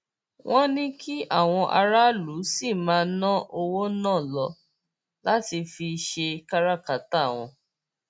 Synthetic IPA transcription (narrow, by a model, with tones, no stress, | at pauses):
wʔɔ̃˦nĩ˦kʰi˦a˦˨w̃ɔ̃˧ʔa˧ɾa˦lu˨˦si˦˨mãː˧nã˦ʔo˧wo˦nãː˦˨lɔ˧ | la˦ti˧fi˧ʃe˧ka˦ɾa˦˨ka˨ta˦˨w̃ɔ̰̃˧